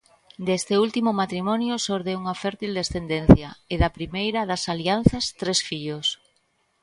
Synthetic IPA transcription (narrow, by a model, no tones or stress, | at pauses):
d̪est̪ɪult̪imʊmat̪ɾimɔnjʊsoɾðeuŋɐfɛɾt̪ild̪esθend̪en̟θjɐeðɐpɾimejɾɐðɐsalian̟θɐst̪ɾesfiʎos